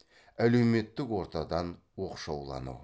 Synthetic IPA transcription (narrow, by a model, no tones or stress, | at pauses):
æle̞wme̞t̪ːɪkwo̞ɾt̪ɑd̪ɑn | wo̞qʃɑwlˠɑ̰nṵ